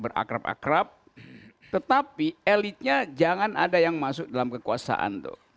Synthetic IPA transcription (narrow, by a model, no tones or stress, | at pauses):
bəɾa̰kɾapa̰kɾap̚ | t̪ət̪apielit̪̚ɲad͡ʒaŋanʔadajaŋmasʊk̚dalamkəkuasa̰ʔa̰nt̪ʊ̰h